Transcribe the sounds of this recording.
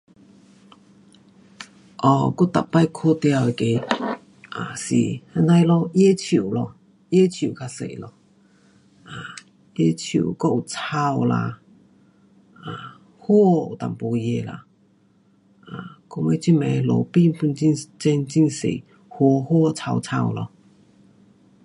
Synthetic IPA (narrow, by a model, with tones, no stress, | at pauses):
ʔɔ˧˩ku˥t̪a̰˨ppːa˥˨jkʰo˥˧˨t̪ja˧we˧˨ke˧˦ | ʔa˨˩sḭ˨˩ha˧˥nta˧jlɔ˧je˥˧˦t͡ɕʰu˨˩˨lɔ˧ | je˥˦t͡ɕʰju˨˩kʰa˧sḛ˨lɔ˧ | ʔa˨ | ʔje˧˥t͡ɕʰṵ˨˩˨kɔ˥˧u˨˩t͡sʰa˧wla̰˧ | ʔa˨˩ | ho˥˦˧ṵ˨˩t̪a̰˨˩mpu˧je˧la̰˧˨ | ʔa˨kɔ˧ŋwe˧˦t͡ɕi˦˥mɛ̃˧˩lo̰˧˩pi˥˨npʰu˧nt͡ɕi˥˧nt͡ɕɛ˧nt͡ɕi˥˧˨nsḛ˨ | ho˧ho˥˦˧t͡sʰa˧wt͡sʰa̰˧wlɔ̰˧